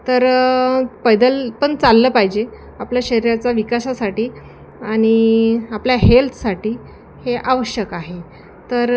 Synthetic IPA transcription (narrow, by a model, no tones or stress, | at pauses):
t̪əɾ | pəjd̪əlpəɳt͡salːəːpaɦid͡ʑe | apljaɕəɾiɾat͡saʋikasasaʈiː | aɽ̃iapljaɦelt̪ʰsaʈiː | heʔaʋəɕjəkaɦe | t̪əɾ